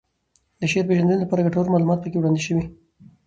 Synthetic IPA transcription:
d̪əʃeɾpeʒand̪ənolapɑɾaɡaʈoɾmɑlumɑt̪̚pəkewɽɑnd̪eʃəwi

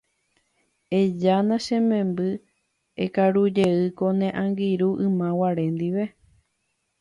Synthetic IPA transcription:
ed͡ʒanãʃẽmẽmbɨ | ekaɾud͡ʒeɨkonẽʔãŋɡiɾuʔɨmãwaɾẽ̞nd̪iʋe

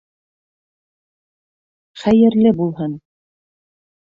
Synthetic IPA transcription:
χæjɘ̆ɾlɘbulˠɦɤn

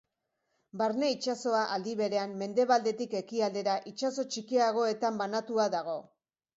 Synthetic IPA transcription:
baɾne̞it͡ʃaso̞aʔald̪iβe̞ɾe̞amːe̞nd̪e̞βald̪e̞t̪ike̞kiald̪e̞ɾaʔit͡ʃaso̞t͡ʃikiaɣ̞o̞e̞t̪ambanat̪uaðaɣ̞o̞

